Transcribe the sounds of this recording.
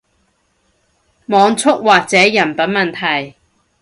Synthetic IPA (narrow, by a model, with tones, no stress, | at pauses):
mɔː˨˧ŋt͡sʰʊ˥k̚waː˨k̚t͡sɛː˨˥jɐ˨˩npɐ˨˥nmɐ˨nt̪ʰɐ˨˩j